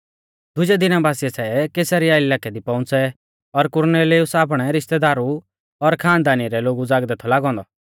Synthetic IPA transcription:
d̪ʊd͡ʒɛd̪ɪnabaːsiɛsɛkeːsaɾijaɪlaːkɛd̪ipɔ̃ʊ̃nt͡sɛ | ɔɾkʊɾneːliʊsaːp̬ɽ̃ɛɾɪʃt̪ɛd̪aːɾu | ɔɾkʰaːnd̪aːniɾɛloːɡud͡zaːɡd̪ɛːt̪ʰɔlaːɡɔ̃ːnd̪ɔ

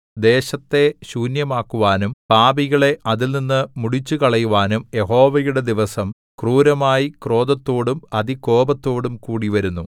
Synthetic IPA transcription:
d̪e̞ːɕɐt̪ːe̞ɕuːnjɐmaːkːuʋaːnumpaːbiɣɐɭe̞ʔɐðilninːɨmuɽit͡ɕːukɐɭɐjuʋaːnumje̞ɦo̞ːʋɐjuɽe̞d̪iʋɐsɐm | kruːɾɐmaːjikro̞ːd̪ɐt̪ːo̞ːɽumɐðiko̞ːbɐt̪ːo̞ːɽumkuːɽiʋɐɾunːu

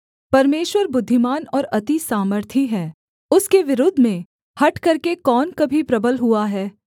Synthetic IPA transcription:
pɐɾmeːʃwəɾbʊd̪ʱːɪmaːnɔːɾɐt̪isaːməɾt̪ʰiɦɛː | ʊskeʋɪɾʊd̪ʱmẽ | hɐʈkɐɾkekɔːnkɐbʱipɾɐbəlɦuaɦɛː

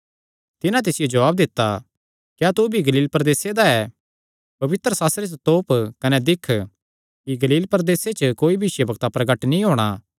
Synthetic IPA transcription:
t̪ɪnãt̪̬ɪsɪjod͡ʒɐʋaːb̚d̪ɪt̪ːa | kjaːt̪ubʱiɡɐliːlpɾɐd̪eːsed̪aɛ | pɐʋɪt̪ɾəsaːst̪ɾest̪oːpkɐnɛd̪ɪkʰː | kiɡɐliːlpɾɐd̪eːset͡ʃəkoːibʱiʃjəbɐɡt̪apɾɐɡəʈnĩɦoːɽ̃a

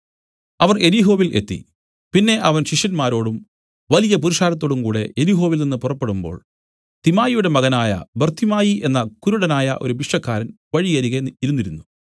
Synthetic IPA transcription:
ɐʋɐre̞liɦo̞ːʋile̞t̪ːḭ | pinːe̞ʔɐʋɐnɕiʂjɐnmaːɾo̞ːɽum | ʋɐlijɐpuɾiʂaːlɐt̪ːo̞ːɽumkuːɽe̞ʔeliɦo̞ːʋilninːɨpurɐpːe̞ɽumbo̞̰ːɭ | t̪imaːjijuɽe̞mɐɣɐnaːjɐ̰bert̪ʰimaːjiʔe̞nːɐkuɾuɽɐnaːjɐʔo̞̰ɾubiʂʈɐkːaːɾɐn | ʋɐɻiɣɐɾiɣɐiɾunːiɾunːu

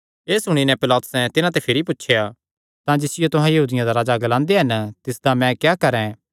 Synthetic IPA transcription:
eːsʊɽ̃inɛ̃pɪlaːt̪ʊ̥sɛ̃t̪ɪnãt̪epʰɪɾipʊtːʃʰeja | t̪ãd͡ʒɪsɪjot̪ʊɦãjɐɦuːd̪ɪjãd̪aɾaːd͡ʒaɡɐlãːnd̪eaɦɐnt̪ɪsd̪amɛ̃kjaːkɐɾɛ̃

